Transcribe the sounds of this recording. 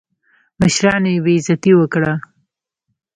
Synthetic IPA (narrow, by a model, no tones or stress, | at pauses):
məʃɾɑnjebeɪzat̪iwəkɽa